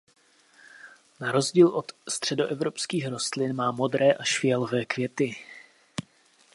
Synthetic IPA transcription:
naɾo̞zɟiːlʔo̞t̪st̪r̝̥ɛdo̞ʔɛvɾo̞pskiːxɾo̞st̪lɪnmaːmo̞d̪ɾɛːʔaʃfɪɛlvɛːkvjɛt̪ɪ

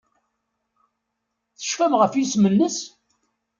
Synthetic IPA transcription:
θə̥ʃfæmʁəfjismənːəs

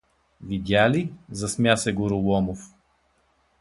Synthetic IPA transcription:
vid̪ʲjalizɐsmʲjasɛɡʊɾulˠɔmof

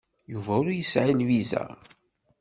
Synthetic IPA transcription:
juvæʊɾujəsʕilwizæ̰

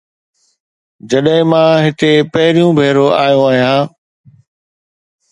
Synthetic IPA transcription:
d͡ʑɐɗɦɪ̃mãːɦɪt̪epɐɦɪɾijũbʱeːɾoʔaːjõaːɦijãː

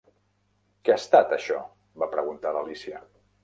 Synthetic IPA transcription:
kɛast̪at̪əʃɔ̰ | bapɾəɣunt̪aləlisiə

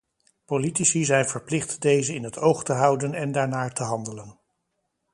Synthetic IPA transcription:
politisizɛjnvəɹplɪχtdejzəɪnɦətowχtəɦɑwdənɛndaːɹnaːɹtəɦɑndələn

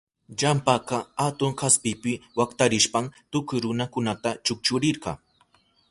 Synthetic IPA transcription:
ʎampɑqɑhat̪ʊŋkaspɪpɪwakt̪aɾɪʃpamt̪ʊkʊjɾʊnakʊnat̪at͡ʃʊk̚t͡ʃʊɾɪɾɢɑ̰ŋ

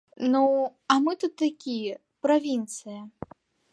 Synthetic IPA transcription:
nuɐmɨt̪ut̪ːakʲi | pɾavʲint̪sɨjɐ

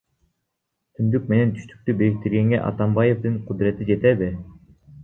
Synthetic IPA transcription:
t̪ʰynd̪yk̚me̞ne̞nt̪ʰy̥ʃt̪y̥k̚t̪ybeɾik̚t̪iɾɡe̞ŋɡḛʔɑ̰t̪ɑmbɑje̞fd̪ɯɴqʰud̪ɾe̞t̪id͡ʒe̞t̪eβi

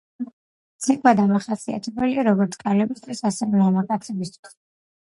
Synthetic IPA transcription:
t̪sʰɛkʼvad̪amaχasia̰t̪ʰɛbɛliaɾɔɡɔɾt̪sʰkʼalɛbist̪ʰʼisasɛvɛlamakʼat̪sʰɛbist̪ʰwi̥s

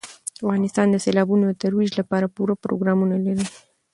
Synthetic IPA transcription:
awɡanist̪and̪eselabunot̪eɾuwiʒləpaɾəpuɾəpɾo̰ɡɾamuneleɾe

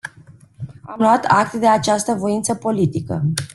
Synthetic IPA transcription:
amluwat̪ʰak̚t̪d̪e̞at͡ʃast̪əvo̞int̪səpo̞lit̪ikə̰

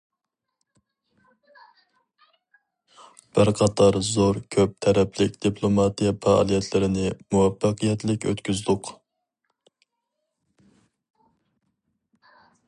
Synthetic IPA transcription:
b̥ɪɾqʰɑt̪ʰɑɾzoɾkʲʰøp̚t̪ʰɛɾɛplɪkʲd̪̥ipʰlˠomɑt̪ijɛfɑɑ̰lˠijɛt̪ʰlɪɾɪnɪmuwɛfːɑqɨjɛt̪lɪkʲø̰t̪kʲʰyzd̪ʊq

